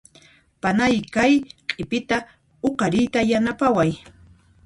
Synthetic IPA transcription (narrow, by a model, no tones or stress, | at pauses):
panajkajqʼɪpɪt̪a | oqɑɾɪjt̪ajanapawaj